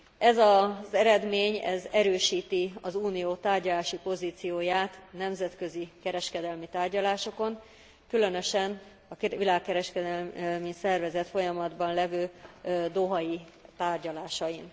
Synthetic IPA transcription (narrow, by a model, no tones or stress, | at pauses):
ɛzɒzɛɾɛd̪meːɲɛ̰zɛɾøːʃiːt̪iɒzuːnijoːt̪aːrɟɒlaːʃipo̞ziːt̪sijoːjaːt̪nɛmzɛt̪kø̞zikɛɾɛʃkɛd̪ɛlmit̪aːrɟɒlaːʃo̞ko̞n | kylø̞nø̞ʃɛn | ɒkilaːkːɛɾɛʃkɛd̪ɛlmisɛrvɛzɛt̪fo̞jɒmɒd̪bɒnlɛvøːd̪o̞ɦɒji | t̪aːrɟɒlaːʃɒjin